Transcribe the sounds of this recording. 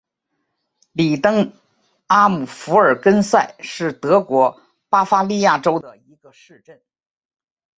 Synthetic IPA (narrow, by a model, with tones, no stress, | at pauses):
li˨˩t̪ɤ˥ŋ | a˥mu˨˩fu˧˥ə˞˨˩kə˥nsa˥˩ɪʂɻ̩˥˩t̪ɤ˧˥kwɔ˧˥ | pa˥fa˥li˥˧ja˥˩ʈ͡ʂo˥ʊd̪ə˨i˧˥ɡə˧ʂɻ̩˥˧ʈ͡ʂə˥˩n